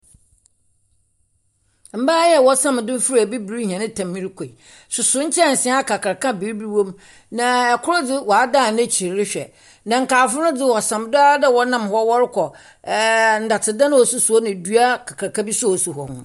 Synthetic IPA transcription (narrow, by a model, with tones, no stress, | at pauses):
m̩˨baː˦jɛ˦˨wɔ˦sã˦m˨dʊ̃˦fɾæ˨bi˦bi˨ɾi˦hã˨nɪ̃˦tʰã˨mːĩ˦ɾi˦kʰʷo˨i˨ | sʊ˨sʊ˦ɲ̩˦t͡ɕʰɛ˦˨n̩˨sɪ̃˦a˦kʰa˨kʰa˨ɾkã˦bi˨ɾbi˦wõ˦m | nã˨ɛ˨kʰʊ˦ɾʊ˦d͡zɪ˦wɔ˨a˦daː˦˨nɛ̃˦t͡ɕʰi˨ɾɾɪ˦ɕᶣɛ̰˨ | nã˨ŋ̩˨kʰaː˨fʊ˦nʊ̃˦d͡zɪ˦wɔ˨sã˨mdʊ˦a˦dɛ˦wɔ˨nã˦˨mhɔ˦wɔ˦ɾɪ˦kʰɔ˨ | n̩˨da˨tʰɪ˨dã˦ñ˦ɔ˨sʊ˦su˨ɔ˦nɪ̃˨du˦a˦kʰa˨kʰa˨ɾkʰa˦bi˦sʊ˦o˨su˨ɦɔ˨hʊ̰̃˨